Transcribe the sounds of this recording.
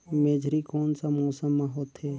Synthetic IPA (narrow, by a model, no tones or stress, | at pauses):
meːd͡ʒʱɾikoːnsamoːsəmaɦoːt̪ɦɛː